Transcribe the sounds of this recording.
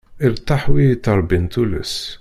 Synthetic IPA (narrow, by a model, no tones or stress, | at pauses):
ʔəɾt̪aħwit̪ɑɾˤbint̪ulṵs